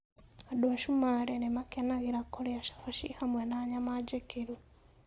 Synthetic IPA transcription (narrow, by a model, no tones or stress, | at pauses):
aɗwaʃumaɾenemakenaɣiɾakolijaʃḁfaʃihamwenaɲamad͡ʒekiɾu